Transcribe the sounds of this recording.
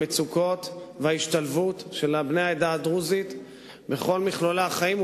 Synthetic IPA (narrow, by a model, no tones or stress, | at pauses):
et͡suko̞t̪veaiʃt̪alvut̪ʃe̞labnejaed̪aːd̪ʁuzit̪ | be̞χo̞lmiχlolaχaim